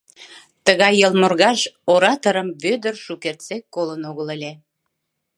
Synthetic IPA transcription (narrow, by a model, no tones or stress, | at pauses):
t̪əɣɑjːəlmorɣɑʃoɾɑt̪oɾəmβød̪ərʃukert͡sekːolənoɣəlelʲe